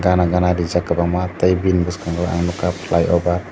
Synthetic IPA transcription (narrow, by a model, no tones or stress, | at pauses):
ɡanaɡanadid͡ʒakabamat̪ajbinbuskaŋɡɔa̰ŋnukaplajʔɔbat̪